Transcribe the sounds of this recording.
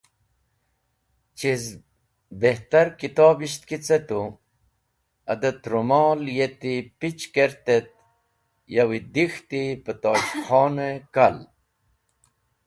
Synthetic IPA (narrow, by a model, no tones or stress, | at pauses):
t͡ɕiz | beht̪aɾkit̪oːbiɕt̪̚kit͡set̪u | ɐ̰d̪ət̪ɾumɔːljet̪ipit͡ɕkeɾt̪et̪̚ | jawid̪ixt̪ipət̪oːɕxʰɔːnekal